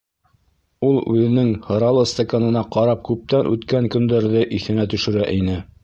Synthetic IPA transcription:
ulˠʉ̰ðɘ̆nɘŋhɤ̆ɾɑlˠɤst̪akanɤ̆nɑqɑɾɑp̚kʉp̚t̪ænʔʉt̪kæŋkɵ̆nd̪æɾðɘʔiθɘ̆næt̪ɵ̆ʃɘ̆ɾæʔinɘ

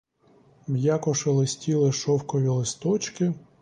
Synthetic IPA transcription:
bjakɔʃɔlˠɪsʲtʲilˠɪʃɔwkɔʋʲilˠɪst̪ɔt͡ʃkɪ

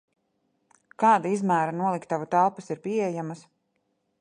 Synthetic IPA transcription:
kɑːd̪aizmæːɾanuɔlˠikt̪ːavut̪ælˠpasiɾpʲiejamɐs

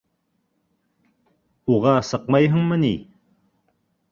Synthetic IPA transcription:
uʁɑsəqmɑjɦəŋmənɪ

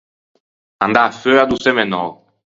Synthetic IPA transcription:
ã̰nd̪aføad̪usɛmenɔ̰ʁ

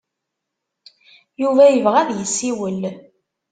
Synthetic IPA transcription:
juvæjəvʁæðjəsːiwəl

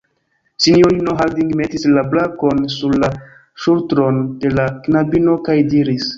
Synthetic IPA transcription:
t͡ʃinioinoɦaldiŋɡme̞tislablako̞nsuɾla | ʃultɾo̞nde̞laknabino̞kajdiɾis

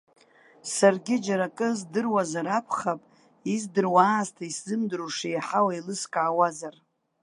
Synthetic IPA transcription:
sarɡʲɪd͡ʒaɾakʼɨzdɨrwazaɾapʰχapʼ | izdɨrwaːstʰaiszɨmdɨɾuʂejaħawailɨskʼaːwazar

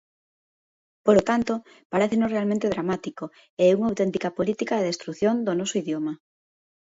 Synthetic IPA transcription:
polot̪ant̪o | paɾeθenosrealmẽnt̪eðɾamat̪iko | ɛɛuŋawt̪ɛnt̪ikɐpolit̪ikaðeðest̪ɾuθjond̪onɔsoiðjomɐ

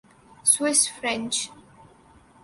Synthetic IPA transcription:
swɪsfɾɛ̃nt͡ʃʰ

